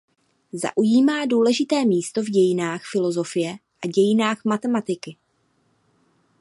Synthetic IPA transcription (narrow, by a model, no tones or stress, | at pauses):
za̰ʔujiːmaːduːlɛʒɪt̪ɛːmiːst̪o̞vɟɛjɪnaːxfɪlo̞zo̞fɪjɛʔaɟɛjɪnaːxmat̪ɛmat̪ɪkɪ